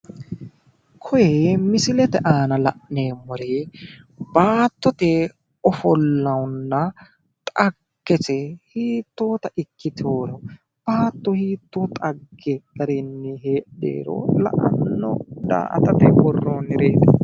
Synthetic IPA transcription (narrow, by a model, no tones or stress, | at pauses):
kʰɔjemɪsɪlɛt̪ɛʔaːnɐlɐʔneːmɔɾe | baːt̪ːɔt̪ɛ | ɔfɔlːɐwʊnːɐ | t̪ʼɐɡ̥ːɛt͡sɛhiːt̪ːo̞ːt̪ɐʔɪkːɪt̪ʰoːɾɔ | b̥aːt̪ːɔhiːt̪ːoːt̪ʼɐɡed̪ɐɾɛnːɛɦeːḛːɾɔ̰lɐ̰ʔɐ̰nːɔ̰d̪a̰ːʔɐ̰t̪ɐt̪ɛbɔrːoːnɪɾeːd̪ɐ